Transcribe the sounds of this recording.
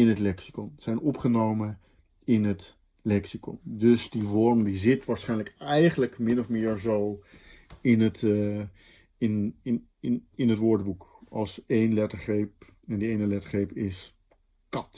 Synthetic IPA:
ɪnɦətlɛksi̥kɔnz̥ɛjnɔpχənowmə | ɪnɦət | lɛksikɔ̰ndɵsdivɔɹmdizɪtʋaːɹsχɛjnləkɛjχənləkmɪnɔfmɪːɹzow | ɪnət | ɪnɪ | ɪnɦətʋʊːɹdbukɑlˠsejnlɛtəɹχejp̚ | ɛndəejnəlɛtəɹχejpɪs | kɑt

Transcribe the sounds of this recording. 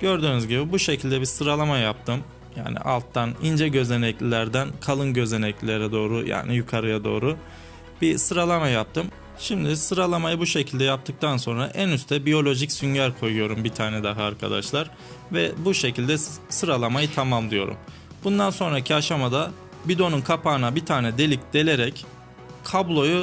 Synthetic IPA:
ɟ̥ø̞ɾd̪yːnyzɟibibuʃe̞cʰilʲd̪ɛbisɯɾalˠamajap̚t̪ʰɯm | ja̰ːnḭʔa̰lˠt̪ʰːanind͡ʒɛɟø̞ze̞nɛclʲilʲæɾd̪ænkʰalˠɯnɟø̞ze̞nɛclʲilʲeɾɛd̪o̞ːɾuja̰ːnijukʰaɾɯjad̪o̞̰ːɾu | bisɯɾalˠamajap̚t̪ʰɯm | ʃimd̪isɯɾalˠamajɯbuʃecʰilʲd̪ɛjap̚t̪ʰɯk̚t̪ʰanso̞nɾa̰ʔænyst̪ʰɛbijo̞lʲo̞ʒicsynɟaɾkʰo̞jujo̞ɾumbit̪ʰaːnɛd̪aɦɯaɾkʰa̰d̪a̰ʃlˠaɾ | vɛbuʃe̞cʰilʲd̪ɛsɯɾalˠamajɯt̪ʰamamlˠɯjo̞ɾṵm | bund̪anso̞nɾacʰiaʃamad̪a | bid̪o̞nunkʰapaːnabit̪ʰaːnɛd̪e̞lʲic̚d̪̥e̞lʲe̞ɾɛc | kʰablˠo̞ju

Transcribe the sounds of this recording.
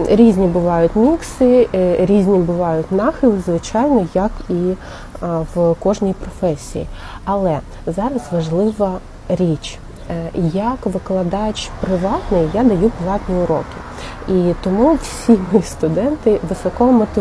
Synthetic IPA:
ɾʲizʲnʲibʊʋɑjʊtʲmʲiksɪɾʲizʲnʲibʊʋɑjʊtʲnɑxɪlˠɪzʋɪt͡ʃɑjnɔjɐki | ʋkɔʒnʲijpɾɔfɛsʲḭjḭ | ɐlˠɛ | zɑɾɐsʋɐʒlˠɪʋɐ | ɾʲit͡ʃ | jɐkʋɪklˠɐd̪ɑjt͡ʃpɾɪʋɑt̪nɪjjad̪ɐjupɔlˠɑt̪ʲnʲiʊɾɔ̰kʲɪ | it̪ɔmuwsʲimɔjist̪ʊd̪ɛnt̪ɪʋɪsɔkɔmɔt̪ɪ

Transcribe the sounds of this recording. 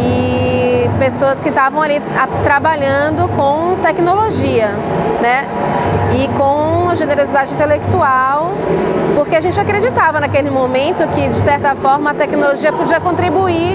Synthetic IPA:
ɪ | pesoɐskɪt̪avɐ̃w̃aliat̪ɾabaʎɐ̃d̪ʊkõw̃t̪ɛknoloʒiɐ | nɛ | ɪkõɐʒeneɾozid̪ad͡ʒɪĩt̪elekt̪uaw | poɾkeaʒẽnt͡ʃɪakɾed͡ʒit̪avɐnakelɪmõmẽnt̪ʊkɪd͡ʒɪsɛɾt̪ɐfɔɾmɐːt̪ɛknoloʒiɐpod͡ʒiɐkõnt̪ɾibui

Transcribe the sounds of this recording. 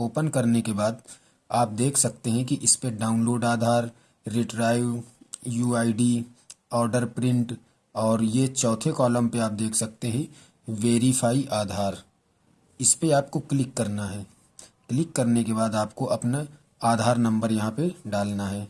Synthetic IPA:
oːpənkɐɾnekebaːd̪ | aːp̚d̪eːkʰsɐk̚t̪eɦɛ̃kiʔɪspeɖaːʊ̃nloːɖaːd̪ʱaːɾː | iʈɾaːɪʋjuːaːiɖiɔːɾɖəɾpɾɪ̃ɳʈ | ɔːɾjet͡ʃɔːt̪ʰekɔːlə̃mpeaːp̚d̪eːkʰsɐk̚t̪eɦɛ̃ | ʋeːɾifʰaːiʔaːd̪ʱaːɾ | ɪspeaːp̚koklɪkːɐɾnaɦɛː | klɪkːɐɾnekebaːd̪aːpkoʔɐpna | aːd̪ʱaːɾnɐ̃mbəɾjɐɦãpeɖaːlnaɦɛː

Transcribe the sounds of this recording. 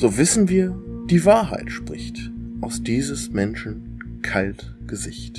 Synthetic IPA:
z̥oːvɪsn̩viːɐd̥iːvaːɐɦa̰ɪtʃpʁ̥ɪçtʔaʊsd̥iːzəsmɛnʃn̩ | kʰalt | ɡ̥əzɪçt

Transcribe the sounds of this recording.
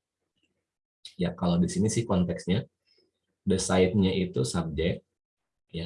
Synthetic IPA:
jakalawdisinisɪhkɔnt̪ɛksɲa | dəsaɪt̪̚ɲaʔit̪usab̚d͡ʒa | ja

